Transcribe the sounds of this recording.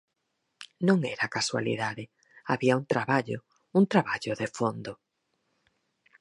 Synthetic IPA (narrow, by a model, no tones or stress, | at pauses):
nõŋɛɾakaswa̰lḭðaðɪ | aβiaunt̪ɾaβaʎo̰ | uŋt̪ɾaβaʎoðefond̪ʊ